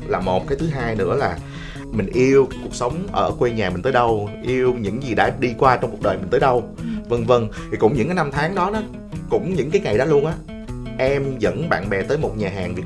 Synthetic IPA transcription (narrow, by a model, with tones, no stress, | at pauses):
laː˨˩mo˨˩t̚kaː˨˦jt̪ʰɨ˨˦ɦaː˧jnɨ̰˧˥əlaː˨˩ | mï˨˩ŋ̟ʔi˧əwkaː˨˦jku˨˩ək̚sə˨˦wŋ͡mʔəː˧˩kwe˧ɲaː˨˩mï̟˨˩t̪əː˨˦jɗə˧wʔi˧əwɲɨ̰˧˥ŋzi˨˩ɗa̰ː˧˥ɗi˧kwaː˧t͡ɕɔ˧ŋ͡mku˨˩k̚əː˨˩jmï̟˨˩t̪əː˨˦ɗə˧wvə˧ŋvə˧ŋt̪ʰi˨˩kʊ̰˧˥ŋ͡mɲɨ̰˧˥ŋkaː˨˦jna˧mt̪ʰaː˨˦ŋɗɔ˨˦nː˨˦ | kʊ̰˧˥ŋ͡mɲɨ̰˧˥ŋkaː˨˦jŋa˨˩jɗɔ˨˦lu˧ənʔaː˨˦˥ | ʔɛ˧mzə̰˧˥nɓa̰ː˧˨nɓɛ˨˩t̪əː˨˦jmo˨˩t̚ɲaː˨˩ɦaː˨˩ŋvi˨˩ə